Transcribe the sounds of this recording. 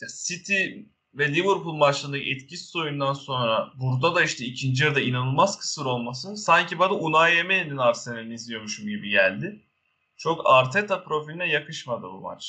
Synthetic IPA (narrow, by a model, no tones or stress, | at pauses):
jasit̪ʰi | vɛlʲivuɾpulˠmat͡ʃlˠand̪akʰɛt̪cʰisi̥so̞jund̪anso̞nɾabuɾd̪ad̪aiʃt̪ʰɛicʰind͡ʒijɯɾd̪ainanɯlˠmaz̥kʰɯ̥sɯɾo̞lˠmasɯnsaɲcʰibad̪aʔunajemeninaɾsenelʲinʲizlijo̞ɾmuʃumɟibiɟælʲd̪ɪ | t͡ʃʰo̞kʰaɾt̪ʰɛt̪ʰapɾo̞filʲinɛjakɯʃmad̪ɯ̰bṵma̰t͡ʃ